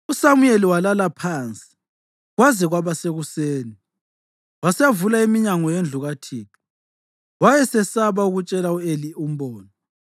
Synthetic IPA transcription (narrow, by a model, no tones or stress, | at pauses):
usamujeliwalalapʰaːnt͡sʼi̥ | ɣwazɛɣwaβaseɣuseːni | wasɛjavulaimiɲaŋɔjend͡ɮʱuɣatʰiːki | wajɛsɛsaβauɣut͡ʃʼɛlauelium̩bɔːnɔ